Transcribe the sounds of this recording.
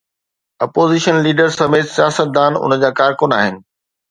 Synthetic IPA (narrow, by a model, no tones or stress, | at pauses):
ɐpoːziʃənliːɖəɾsɐmeːt̪sijaːsət̪̚d̪aːnʊ̰nə̆d͡ʑaːkaːɾkʊnaːɦɪnɪ̆